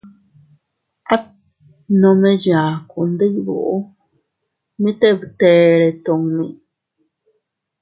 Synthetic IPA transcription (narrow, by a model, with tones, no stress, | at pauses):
a˦t̚ | nome˦jaː˨ku˨nd̪ə˦jβo̰˦˨ʔ | mi˦t̪e˦βt̪eːɺe˨t̪o˨ŋni˨